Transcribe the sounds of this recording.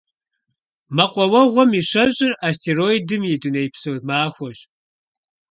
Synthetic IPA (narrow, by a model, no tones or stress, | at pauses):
mɐqʷɔwɐʁʷɔmiːɕɐɕʼɪraːstʰeroːidɨmjɪdɨnɐjpsowmaːxʷɔɕ